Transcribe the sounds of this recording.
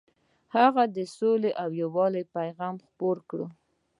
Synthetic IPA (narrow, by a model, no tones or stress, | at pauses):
haɣad̪əsoleʔawjawɑlajpajɣɑmxpoɾkɽə